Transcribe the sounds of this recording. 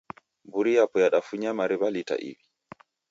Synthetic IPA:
buɾijapɔjaɗafuɲamaɾiβalita̰ʔḭbi

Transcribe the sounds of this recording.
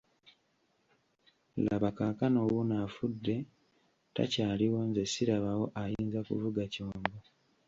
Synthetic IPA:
la̰βakakanowunafudːe̞ | ta̰caːliwo̞nze̞siɾaβawo̞ʔajiːnzakṵvuɡacoːmbo

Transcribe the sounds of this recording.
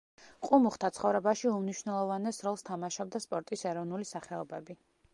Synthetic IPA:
qʼumuχt̪ʰat̪sʰχɔvɾɛbaʃiumniʃwnɛlˠɔvanɛsɾɔlˠst̪ʰamaʃɔb̚d̪aspʼɔɾt̪ʼisɛɾɔvnulisaχɛɔbɛbi

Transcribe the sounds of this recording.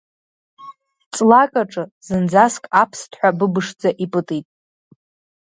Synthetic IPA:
t͡sʼlakʼaʈ͡ʂʼɨzɨnd͡zaskʼapʰstʰħʷabɨbɨʂd͡zaʔipʼɨtʼijtʼ

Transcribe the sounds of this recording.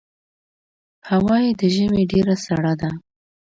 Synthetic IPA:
hawɑjed̪əʒəmeɖeɾasaɽad̪a

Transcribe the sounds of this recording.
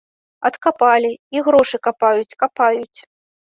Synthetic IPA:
ɐt̪kapalʲiiɣɾɔʂɨkapajut͡sʲkapajut͡sʲ

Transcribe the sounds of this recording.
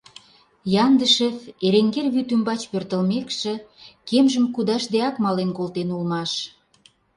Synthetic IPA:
jɑnd̪əʃefeɾeŋɡerβyt̪ymbɑt͡ɕpørt̪ə̆lmekʃĕkemʒə̆mkud̪ɑʃd̪eɑkmɑlenkolt̪enulmɑʃ

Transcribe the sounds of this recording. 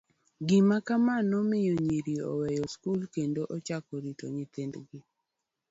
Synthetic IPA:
ɡɪmakamanɔmɪjoɲeɾiɔ̰wɛjɔskulkendoʔɔt͡ʃakɔɾit̪o̰ɲɪt̪end̪ɡɪ

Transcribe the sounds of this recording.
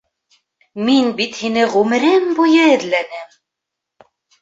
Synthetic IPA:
minbit̪hinɘʁʉmɘ̆ɾɘmbujɤɘ̆ðlænɘm

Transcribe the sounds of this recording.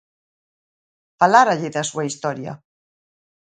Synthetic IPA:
falaɾaʎɪðasuaist̪ɔɾjɐ̰

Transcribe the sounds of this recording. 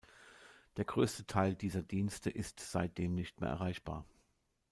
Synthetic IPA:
d̥eːɐɡʁøːstətʰaɪldiːzɐdiːnstəʔɪstz̥aɪt̚d̥eːmnɪçt̚mḛːɐɛ̰ɐ̰ʁaɪçb̥a̰ːɐ

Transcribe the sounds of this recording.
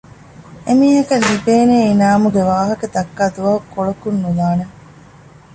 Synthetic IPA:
emiːɦɐkɐlːibeːneːinaːmuɡeʋaːɦɐkɐt̪ɐkːaːd̪uʋɐɦukːoɭɐkunːulaːne

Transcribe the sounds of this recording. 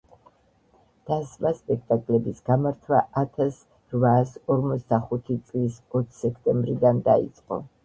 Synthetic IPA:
d̪̥asmaspʼɛk̚ʰt̪ʼakʼlɛbisɡamaɾt̪ʰwaʔat̪ʰas | ɾvaːsɔɾmɔt̪sʰd̪aχut̪ʰit̪sʼlisɔt̪ʰsɛkʰt̪ʼɛmbɾid̪and̪aḭt̪sʼqʼɔ̰

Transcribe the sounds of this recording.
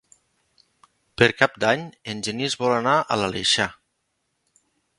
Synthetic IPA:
pəɾkap̚d̪aɲenʲʒenizβɔlanaʔə̰lalḛʃa

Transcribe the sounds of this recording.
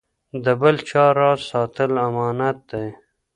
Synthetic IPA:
d̪əbəlt͡ʃɑːɾɑːzsɑːt̪əlamɑːnat̪̚d̪aj

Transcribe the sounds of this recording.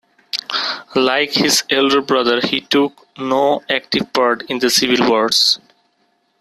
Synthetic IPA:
laɪkhizelɖəɾbɾʌd̪əɾhiʈuk | noæk̚ʈivpaɾɖĩnd̪əsivilwəɾɖs

